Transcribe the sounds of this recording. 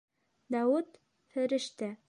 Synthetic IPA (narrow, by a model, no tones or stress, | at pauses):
d̪æwɘt̪ | fɘ̆ɾɘ̆ʃt̪æ